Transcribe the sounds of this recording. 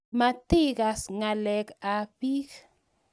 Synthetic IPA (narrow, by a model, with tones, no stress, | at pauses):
ma˨t̪i˦ɡa˨sŋa˨lɛ˨ka˨pi˦k